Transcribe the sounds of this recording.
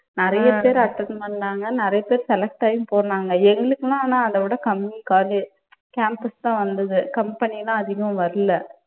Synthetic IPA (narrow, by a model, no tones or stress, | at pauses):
nɪɾɐjɐpeːɾɐʈːɐnmɐnːaːŋɡɐnɪɾɐjɐpeːɾsɛlɐk̚ʈaːjʊ̃mpoːɾɐnaːŋɡɐɛŋɡɐɭɯkːɐlãːnãːɐd̪ɐʋɪɽɐkɐmnikaːli | kaːmpɐst̪ãːʋɐnd̪ɐðɯkɐmpɐnilãːɐðɪɣɐ̃ʋɐɾɯlːɐ